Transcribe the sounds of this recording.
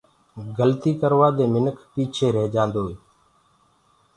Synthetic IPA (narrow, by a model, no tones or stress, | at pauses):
ɡəlt̪iːkəɾʋaːd̪eːmɪnəkʰpiːt͡ʃʰeːɾɛɦd͡ʒãːnd̪oːeː